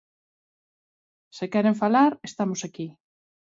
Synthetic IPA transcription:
sekɛɾeɱfalaɾest̪amosaki

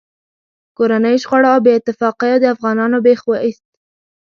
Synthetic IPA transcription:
koɾanəjʃɣɑɽaawbeɪt̪ːɪfɑqijad̪əafɣɑnɑnobexwaʔist̪̚

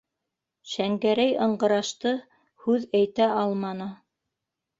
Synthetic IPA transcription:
ʃæŋɡæɾæjɤ̆ɴɢɤ̆ɾɑʃt̪ɤ | hʉðæjt̪æʔɑlˠmɑnɤ

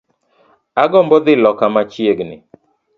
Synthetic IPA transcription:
aɡɔmbɔd̪ɪlɔkamat͡ʃjeɡnɪ̰

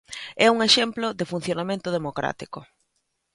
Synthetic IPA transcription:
ɛuŋeʃemplʊðɪfun̟θjonamẽnt̪ʊð̞emokɾa̰t̪ikʊ

